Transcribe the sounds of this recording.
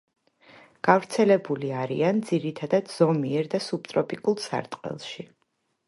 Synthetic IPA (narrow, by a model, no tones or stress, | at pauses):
ɡ̥avɾt̪sʰɛlɛbuliaɾḭand̪ziɾit̪ʰad̪ad̪z̥ɔmiɛɾd̪asub̚t̪ʼɾɔpʼikʼulˠsa̰ɾt̪ʼqʼɛ̰lˠʃi